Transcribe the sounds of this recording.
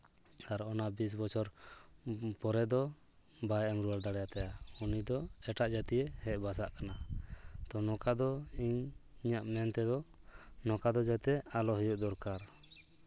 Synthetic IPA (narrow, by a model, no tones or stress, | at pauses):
t̪aɾɔnabis̬bɔt͡ʃʰɔɾ | pɔɾɛd̪ɔ | bajɛmɾuwald̪aɽɛjat̪ajaunid̪ɔɛʈaʔd͡ʒat̪ijɛhɛʔbas̬aʔkanat̪ɔnɔkad̪ɔiɲiɲaʔmɛnt̪ɛd̪ɔnɔkad̪ɔd͡ʒat̪ɛalɔɦɔjuʔd̪ɔɾkaɾ